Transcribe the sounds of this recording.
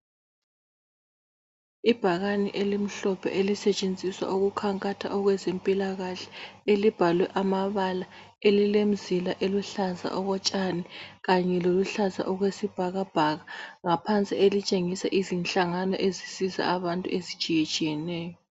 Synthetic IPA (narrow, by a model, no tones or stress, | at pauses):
ib̥ʱaɣaniʔelim̩ɬɔpʰɛ̰ʔelisɛt͡ʃʼend͡zʱiswa̰ʔuɣukʰaŋkʼatʰa̰ʔɔɣwɛzempʼilaɣaɬɛ̥elib̥ʱalwɛʔamaβala | elilem̩zilaʔeluɬaza̰ʔɔɣɔt͡ʃʼaniɣaɲɛloluɬaza̰ʔɔɣwesib̥ʱaɣab̥ʱaɣaŋapʰant͡sʼielit͡ʃʼeŋisaʔizint͡ɬʼaŋanɔ̰ʔezisiza̰aβantʼṵʔezi̥t͡ʃʼijet͡ʃʼijɛnɛːjɔ